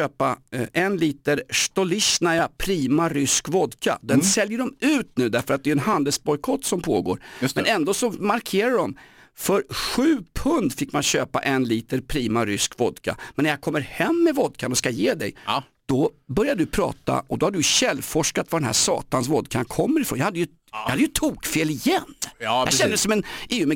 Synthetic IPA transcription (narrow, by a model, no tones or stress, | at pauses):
øːpaʔɛnliːt̪əɾʂt̪ɔlɪɕnæɾjapʰɾiːmaɾʏskvɔd̪kʰa̰d̪ɛnsɛljəɖɔmʉ̟ːt̪nʉ̟ːd̪æɾfəɾat̪̚d̪ɛjɵɛnhand̪ɛlsbɔjkʰɔt̪ːsɔmpʰo̰ːɡo̰ːɾmɛnɛnd̪oːsɔmaɾkʰeːɾaɖɔm | fœɾɧʉ̟ːpʰɵnd̪fɪkːmanɕøːpa̰ʔɛnliːt̪əɾpʰɾiːmaɾʏskvɔd̪kʰa̰mɛnːæɾjakʰɔmːəɾhɛmːɛvɔd̪̚kʰanɔskajeːd̪ɛ̰j | d̪̥ɔbœɾjad̪əd̪ɵpʰɾɑ̰ːt̪a̰ʔɔd̪ɔhaɖɵɕɛlːfɔʂkat̪vad̪ɛnɦæ̰ʂɑ̰ːt̪ansvɔd̪kʰankʰɔmːəɾɪfɾo̰ːnjahad̪ːjɵ | jɑhad̪əjɵt̪ʰuːkfeːlɪjɛnːjaɛd̪əsɔmɛneːʉmɛ